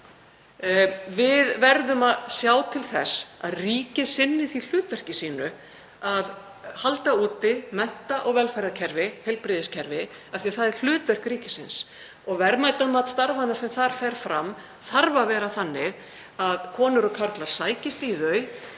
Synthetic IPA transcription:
vɪðvɛɾðʏmaðsjaːwt̪ʰɪlθɛsa̰ðriːcɪsɪnːɪθil̥ʏːt̪vɛr̥cɪsiːnʏ | að | halt̪auːt̪ɪmɛn̥t̪aʔɔɣvɛlfajɾacʰɛɾvɪhejlpɾɪðɪscʰɛɾvɪ | aθiaθaðɪɾ̥l̥ʏːt̪vɛr̥kɾiːcɪsɪ̰ns | ɔɣvɛɾmaːjt̪amat̪st̪aɾvanasɛmθaɾ̥fɛjɾ̥fɾam | θaɾvavɛːɾaθanːɪɣ | aðkʰɔːnʏɾɔkʰaɾt̪laɾ̥saːjcɪst̪iðœɥ

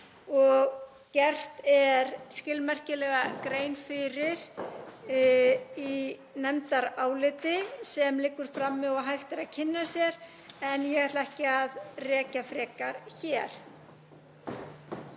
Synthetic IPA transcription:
ɔɣ | cɛr̥t̪ɛɾscɪlmɛr̥cɪlɛɣakɾeːjnfɪɾɪɾ̥ | inɛmt̪aɾaːwlɪt̪ɪsɛmlɪkːʏɾ̥fɾamːɛɔɦajxt̪ɪɾaðcʰɪnːasjɛɾ | ɛnjɛɣat̪laɛhcɪaðrɛːcafɾɛːkaɾ̥çɛɾ̥

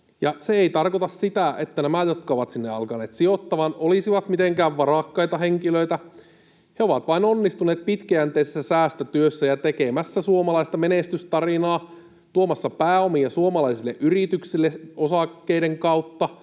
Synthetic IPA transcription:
jɑseeit̪ɑrkot̪ɑssit̪æet̪ːænæmæjot̪kɑoʋɑt̪sinːeɑ̰lkɑneːt̪siot̪ːɑʋɑnʔolisiʋɑt̪mit̪eŋkæːʋʋɑrɑkːɑjt̪ɑɦeŋkiløit̪æ | heo̞ʋɑt̪ʋɑinonːist̪uneːt̪̚pit̪kæænt̪eisesːæsæːst̪æt̪yøsːæjɑt̪ekemæsːæsuomɑlɑist̪ɑmenest̪yst̪ɑrinɑː | t̪uomɑsːɑpæːomijɑsuomɑlɑisilːeʔyrit̪yksilːeo̞sɑkːeideŋkɑuwt̪ːɑ

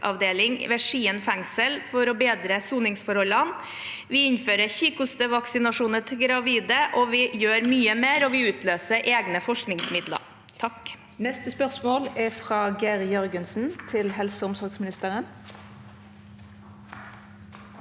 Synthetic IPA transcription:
ɑ̰ʋd̪eːlɪŋʋɛʂiːənfɛŋsəlfɔɾɔbeːd̪ɾəsuːnɪŋsfɔɾhɔlɑn | ʋɪɪnføːɾəçiːkʊst̪əʋɑksɪnɑʂuːnət̪ʰɪɡɾɑʋiːd̪əʔɔʋɪjøːɾmyːəmeːɾɔʋɪʉːt̪ʰløːsəɾʔeːɡnəfɔʂknɪŋsmɪd̪lə̰ɾ | t̪ʰɑk | nɛst̪əspœʁsmoːlɛfʁɑːɡæːɾjœɾɡənsn̩t̪ʰɪlɦɛlsəʊmsɔɾɡsmɪnɪst̪əɾən

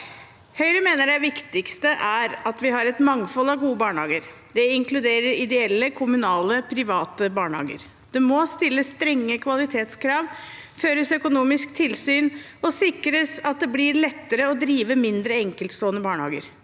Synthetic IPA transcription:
hœʏɾəmeːnəɖæʋɪkt̪ɪkst̪əʔæɾɑt̪ʋɪhɑɾɛt̪mɑŋfɔlɑʋɡuːəbɑːɳhɑ̰ːɡəɾ | d̪̥ɛɪŋkʰlʉd̪eːɾəɾɪd̪ɛɛlːəkʰʊmʉnɑːləpʰɾɪʋɑːt̪əbɑːɳhɑ̰ːɡə̰ɾ | d̪̥ɛmɔst̪ɪlːəsːt̪ɾɛŋːəkʰʋɑlɪt̪ʰeːt̪skʰɾɑːʋføːɾəsœkʊnuːmɪsk̚t̪ʰɪlsyːn | ɔsɪkɾəsɑt̪̚d̪ɛblɪɾɭɛt̪ːəɾəɔd̪ɾiːʋəmɪnd̪ɾəɛŋkəlt̪st̪oːənəbɑːɳhɑ̰ːɡə̰ɾ

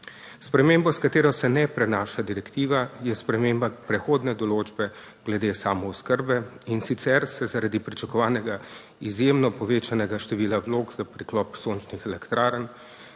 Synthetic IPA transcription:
spɾɛmembɔskat̪eːɾɔsɛnɛpɾɛnaːʃad̪iɾɛkt̪iːʋajɛspɾɛmembapɾɛxoːd̪nɛd̪ɔloːd͡ʒbɛ | ɡlɛd̪eːsaːmɔɔskəɾbɛinsit̪sɛɾsɛzaɾad̪ipɾit͡ʃakɔʋaːnɛɡa | izjemnɔpɔʋeːt͡ʃanɛɡaʃt̪ɛʋiːlaʋloːɡz̥apɾiklɔpsont͡ʃnixɛlɛkt̪ɾaːɾən

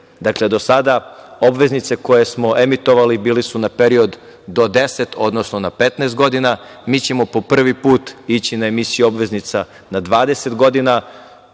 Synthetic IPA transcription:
d̪akle̞d̪o̞sad̪ao̞bʋe̞znit̪se̞ko̞je̞smo̞ʔe̞mit̪o̞ʋalibiːlisunape̞ɾio̞d̪ː | od̪e̞se̞t̪ʰo̞d̪no̞snonape̞t̪nɛst̪̚ɡo̞d̪ina | miːt͡ɕe̞mo̞po̞pr̩ʋipuːt̪it͡ɕinaemisijuo̞bʋe̞znit̪sa | nad̪ʋaːd̪ese̞t̪ɡo̞d̪ina

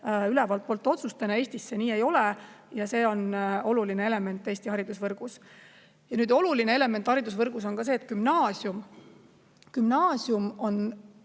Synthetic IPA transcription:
ylɛvɑlt̪̚po̞lt̪ːˑo̞t̪sust̪ɑnɑe̞ːsʲt̪isːeniːe̞jo̞lejɑse̞ːo̞no̞lulinee̞le̞me̞nt̪ːˑeːst̪ihɑɾid̪̥usvɤrɡ̥us | jɑnyːd̪o̞luline̞e̞le̞ment̪ːˑhɑɾid̪̥us̬vɤrɡ̥us̬o̞nkɑs̬eːt̪̚kymnɑːsjum | kymnɑːsjumo̞n

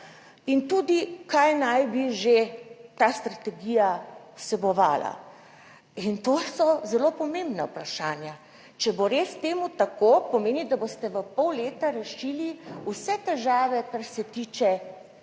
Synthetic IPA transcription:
int̪uːd̪ikajnajbiʒet̪ast̪ɾat̪ɛɡiːjasɛbɔʋa̰ːla̰ | int̪oːsɔzɛlopɔmembnaupɾaʃaːnja | t͡ʃɛboɾeːst̪eːmut̪akopɔmeːnid̪abost̪ɛʋəpɔwleːt̪aɾɛʃiːliusɛt̪ɛʒaːʋɛkaɾsɛt̪iːt͡ʃɛ

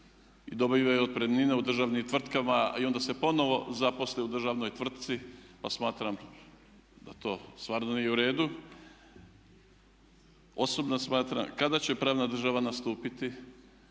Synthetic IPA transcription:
id̪o̞biʋaod̪̚pɾemnineud̪r̩ʒaːʋnimt̪ʋr̩t̪kamaio̞nd̪ase̞po̞no̞ʋo̞zapo̞sleud̪r̩ʒaʋno̞jt̪ʋr̩t̪̚t̪sipasmaːt̪ɾam | d̪at̪o̞ːst̪ʋaːɾnonijeuɾe̞ːd̪u | o̞so̞bnasmaːt̪ɾa̰mkad̪at͡ɕe̞pɾaːʋnad̪r̩ʒaʋanast̪uːpit̪i

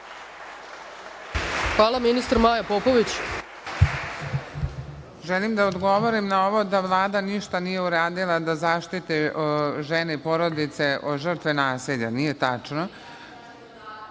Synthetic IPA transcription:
xʋaːlˠaminist̪ɾmaːjapopoʋit͡ɕ | ʒelimd̪aod̪ɡo̞ʋo̞ɾimnao̞ʋo̞d̪aʋlˠaːd̪aniʃt̪anije̞uɾaːd̪ilˠad̪azaːʃt̪it̪iʒene̞ipo̞ɾo̞d̪it̪se̞ʔoʒərt̪ʋenaːsiʎanije̞t̪at͡ʂno

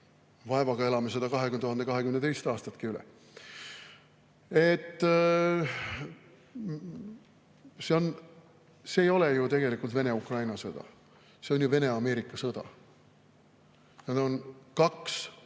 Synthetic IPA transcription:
vɑevɑɡ̥ɑe̞lɑmesed̪̥ɑkɑɦekymnt̪uɑnd̪ekɑɦe̞kymnet̪e̞jst̪ɑːst̪ɑt̪kiylɛ̰ | e̞t̪ː | seo̞n | se̞ːjo̞lejut̪e̞ɡ̥e̞likːˑult̪ve̞ne̞ukrɑjnɑsɤd̪̥ɑ̰ | se̞o̞njuve̞ne̞ɑme̞ːɾikːˑɑsɤd̪̥ɑ̰ | jɑd̪onkɑks

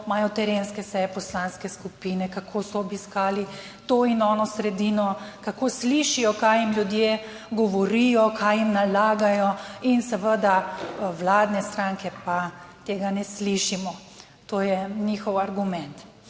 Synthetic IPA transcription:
maːjɔt̪ɛɾenskɛsɛjɛpɔslanskɛskupiːnɛkakʰosɔːbiskaːli | t̪oːinɔːnɔsɾɛd̪iːnɔkakoːsliʃijɔkajimljud̪je | ɡɔʋɔɾijɔkajimnalaːɡajɔinsəʋəd̪awlaːd̪nɛst̪ɾaŋkɛpat̪eːɡanɛsliʃimɔ | t̪oːjɛnixɔwaɾɡumɛnt̪

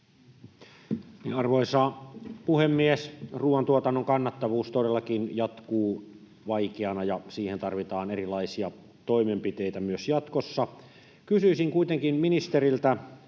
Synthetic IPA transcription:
niɑrʋoisɑːpuhemːiesruːʋɑnt̪uot̪ɑnːoŋkɑnːɑt̪ːɑʋuːst̪odelːɑkinjɑt̪kuː | ʋɑikeɑnɑjɑsiːhent̪ɑrʋit̪ɑːnerilɑisiɑ | t̪oimempit̪ejt̪æmyøsjɑt̪kosːɑ | kysyisiŋkuit̪eŋkinminist̪erilt̪æ

